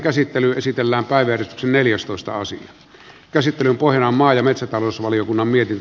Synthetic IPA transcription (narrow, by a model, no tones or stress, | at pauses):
kæsit̪ːelyesit̪elːæːmpæˑiʋæjærest̪y̥ksenneljæst̪oˑest̪ɑ̰ɑ̰sḭɑ | kæsit̪ːelympohjɑnɑmɑːjɑmet̪sæt̪ɑloˑsʋɑlijokunːɑmmiet̪int̪